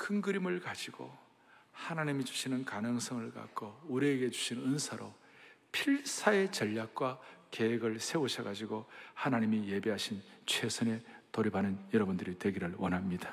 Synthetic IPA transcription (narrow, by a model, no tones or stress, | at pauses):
kʰɯŋɡɯɾimɯɭkad͡ʑiɡo̰ | hanaɲimid͡ʑu̥ɕʰinɯnkanɯŋs͈ʰʌŋɯɭka̰k͈ouɾieɡe̞d͡ʑu̥ɕʰinɯnsʰaɾo̰ | pʰiɭsʰae̞t͡ɕʌʎːak̚k͈wake̞weɡɯɭsʰe̞uɕʰʌɡad͡ʑiɡohanaɲimije̞be̞ɦaɕʰint͡ɕʰwe̞sʰɯne̞toɾibanɯnjʌɾʌbundɯɾitwe̞ɡiɾɯɭwʌnɦamɲid̥ḁ